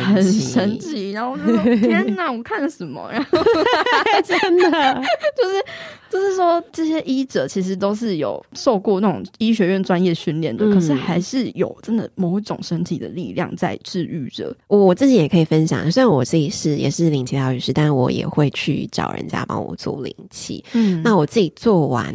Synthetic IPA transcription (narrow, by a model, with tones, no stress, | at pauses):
xə˨˩nʂə˦˥nt͡ɕʰi˨˥ɻa˧˦nxo˥˧˥na˥˩wɔ˨˩kʰa˥˩nlə˩ʂə˨˦nmə̰˧ɻa˧˦˥ | nd̪ət͡ɕjo˥˧ʊʂɻ̩˥˩t͡ɕjo˥ʊʂɻ̩˥˩ʂwɔ˥ʈ͡ʂɤ˥˩ɕjɛ˥ʔi˥ʈ͡ʂɤ˨˦t͡ɕʰi˧˥ʂ̬ɻ̩˧˥t̪̬o˥ʊʂɻ̩˥˩jo˨˩ʊʂo˥˧ʊkwɔ˥˧na˥˩ʊ̰˨˩ŋi˥ɕɥɛ˧˥ɥɛ˥˩nʈ͡ʂwa˦njɛ˥˧ɕy˥˧nljɛ˥˩nd̪ə˩kkʰɤ˨˩ʂɻ̩˥˩xa˧˥ɪʂɻ̩˥˩jo˨˩ʊʈ͡ʂə˦˥nd̪ə˨˩mo˧˥ʊi˥ʈ͡ʂʊ˨˩ŋʂə˥nt̪ʰi˨˩d̪ə̰˨lḭ˥˧ljɑ̰˥˧ŋt͡sa̰˥˧ɪʈ͡ʂɻ̩˥˧y˥˩ʈ͡ʂə̰˨˩ɔ˧˩wɔ˨˩t͡sɹ̩˥˩t͡ɕi˨˥jɛ˨˩kʰɤ˧˥i˨˩fə˦nɕjɑ̰˨˩ŋ˩se˥˩nwɔ˨˩t͡sɹ̩˥˩t͡ɕi˨˩ʂɻ̩˥˩jɛ̰˨˩ʂɻ̩˥˩li˧˥ŋt͡ɕʰi˧˥t̪ɑ˥˧ʊy˧ʂɻ̩˥˧t̪a˥nwɔ̰˧˦jɛ̰˨˩xwe˥˧ɪt͡ɕʰy̰˥˩ʈ͡ʂɑ̰˨˩ʊɻə̰˧˦nt͡ɕja̰˦pɑ̰˥ŋwɔ̰˨˩t͡swɔ̰˥˩lḭ˧˥ŋt͡ɕʰḭ˧˦n̩˩na˥˩wɔ˨˩t͡sɹ̩˥˩t͡ɕi˨˩t͡swɔ˥˩wa̰˧˥˦n